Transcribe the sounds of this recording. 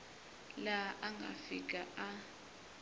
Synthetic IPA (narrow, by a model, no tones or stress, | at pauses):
laʔaŋɡʱa̰fik̬ʼaʔa